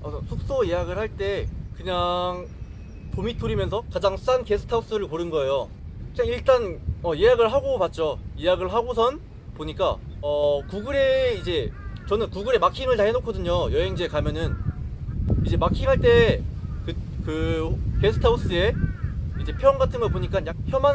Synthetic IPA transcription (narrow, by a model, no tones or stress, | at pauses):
ʌsʰuk̚s͈ojejaɡɯɭhaɭt͈e̞kɯɲaŋ | pomit͈uɾimjʌnsʰʌkad͡ʑaŋs͈anke̞sʰɯ̥tʰaus͈ɯɾɯɭkoɾɯnɡʌejo | kɯɲaŋiɭt͈anʌjejaɡɯɭɦaɡopat̚t͡ɕ͈ojejaɡɯɭɦaɡosʰʌn | poɲik͈a̰ | ʌkuɡɯɾe̞id͡ʑe̞t͡ɕʌnɯnkuɡɯɾe̞makʰiŋɯɭtaɦe̞nokʰʌdɯɲojʌɦe̞ŋd͡ʑekamjʌnɯn | id͡ʑe̞makʰiŋɦaɭt͈e̞kɯkɯke̞sʰɯ̥tʰaus͈ɯe̞id͡ʑe̞pʰjoʌŋɡatʰɯnɡʌpoɲik͈anjak̚çjʌman